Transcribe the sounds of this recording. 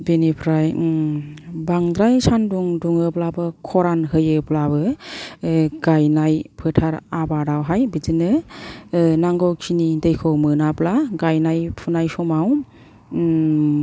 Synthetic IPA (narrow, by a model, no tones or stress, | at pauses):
binipʰɾaj | baŋd̪ɾajsʰanduŋduŋɯplabɯkʰɔɾanɦɯjɯplabɯ | ɡ̥ajnajpʰɯtʰaɾabadawɦajbizɯnɯ | naŋɡɔwkʰinidejkʰɔwmɯnaplaɡajnajpʰunajsɔmaw